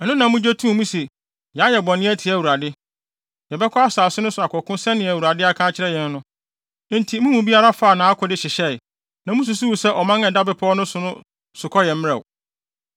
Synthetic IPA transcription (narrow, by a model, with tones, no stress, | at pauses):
ɛ˨nʊ̃˦nã˨mʊ̃˦d͡ʑe˦tʰũ˦˨mũ˦sɛ˨ | jɛ˨a˦jɛ˨bɔ̃˨nɪ̃˦æ˦tʰi˨æ˨wu˨ɾa˨dɪ˦ | jɛ˨bɛ˦kʰɔ˦a˦saː˨sʊ˦nʊ̃˦sʊ˨a˨kʰɔ˨kʰʊ̃˦sɛ̃˦nɪ̃˨æ˨wu˨ɾa˨dɪ˦a˦kʰãː˦t͡ɕʰɪ˦ɾɛ˦jɛ̃˨nː˦ʊ̃˦ | n̩˦tʰi˨mũ˦mũ˨bi˦a˦ɾa˦faː˦˨nã˨˦a˦kʰɔ˨dɪ˦ɕɪ˨ɕɛ˦˨ | nã˨mʊ̃˦s̬ʊ˨sʊ˦wu˨sɛ˦ʔɔ˨mã˦ŋɛ̃˨da˦bɪ˨pʰɔ˦ɔ˦nʊ̃˦sʊ˨nʊ̃˦ | sʊ˨kʰɔ˦jɛ˨m˦ɛ˨w